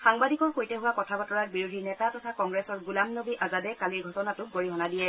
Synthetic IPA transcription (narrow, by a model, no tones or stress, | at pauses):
xaŋbadikɔɹxojtɛɦʊwakɔtʰabatɔɹat̚biɹudʱinɛtatɔtʰakɔŋɡɹɛsɔɹɡulamnobiʔazadɛkaliɡʱɔtɔnatʊɡoɹiɦɔnadijɛ